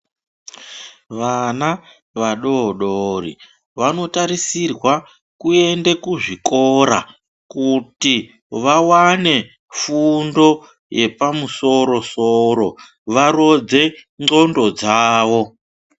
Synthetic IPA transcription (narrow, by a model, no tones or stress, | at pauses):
ʋana | ʋaɗoɗorḭ | ʋano̞taɾisirwa | kue̞ndekuʐikoɾa̰ | kuti | ʋawane̞ | fundo̞ | jepamuso̞ɾo̞soɾo̞ | ʋaɾo̞d͡ze̞ŋ͡ǀo̞ndo̞d͡zaːʋo̞